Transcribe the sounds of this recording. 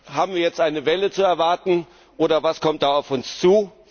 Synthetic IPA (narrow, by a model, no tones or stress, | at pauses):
ɦaːbm̩viːɐjɛt͡stʔaɪnəvɛlət͡suɛɐvaɐtn̩ | ʔoːɾɐvaskʰɔmt̚d̥aːaʊfʊnst͡suː